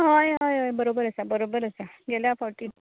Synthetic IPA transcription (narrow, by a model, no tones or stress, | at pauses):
ɦajɦajɦajbəɾobəɾəsabəɾobəɾəsaɡɛljafɔɾʈi